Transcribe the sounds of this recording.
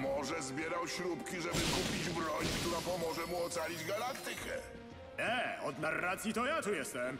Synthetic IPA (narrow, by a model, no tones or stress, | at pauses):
mɔʐɛzbʲjɛɾawɕɾupkʲiʐɛbɘkupʲid͡ʑbɾɔɲkt̪uɾapɔmɔʐɛmuɔt̪salʲid͡ʑɡalakt̪ɘkɛ̰ | ɛɔd̪narːat̪sʲjit̪ɔjat̪ujɛst̪ɛm